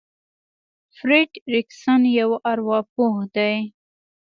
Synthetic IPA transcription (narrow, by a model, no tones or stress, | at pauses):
fɾɪɖɾɪksanjawʔaɾwɑp̚ohd̪aj